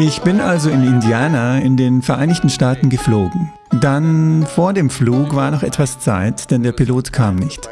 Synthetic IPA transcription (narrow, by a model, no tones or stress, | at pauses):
ʔɪçb̥ɪnʔalzoɪnɪndiaːnaɪndeːnfɛɐʔaɪnɪçtn̩ʃtaːtn̩ɡəfloːɡŋ̩ | danfoːɐdeːmfluːkvaːɐnɔχʔɛtv̥ast͡sa̰ɪtd̥ɛndeːɐpiloːtkʰaːmnɪçt